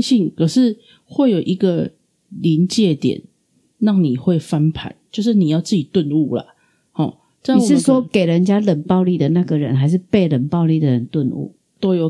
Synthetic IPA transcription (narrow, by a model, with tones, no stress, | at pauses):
ɕi˥˨ŋkʰə˨˩ʂɻ̩˥˧ | xwe˥˩ɪjo˨˩ʊʔi˧˥ɡə˨ | li˧˦nt͡ɕjɛ˥˧t̪jɛ̰˨˩˦nː | a˥˩ŋni˨˩xwe˥˩ɪfa˦npʰa̰˨˦nt͡ɕjo˥˧ʊʂ̬̩˥˩ni˨˩jɑ˥˧ʊt͡sɹ̩˥˩t͡ɕi˨˩t̪wə˥˧nu˥˩la̰˩ | hɔ̰˨˩ | ʈ͡ʂʂɻ̩˥˧˩swɔ˦˥ke˨˩ɪɻə˦nt͡ɕja˦˥lə˨˩npɑ˥˧ʊli˥˩d̪ə˩na˥˩ɡə˩ɻə̰˧˦nxa˧˦ɪʂɻ̩˥˧pe˥˩ɪlə˨˩npɑ˥˧ʊli˥˩d̪ə˩ɻə˦nt̪wə˥˧nṵ˥˩ | t̪o˥ʊjo˨˩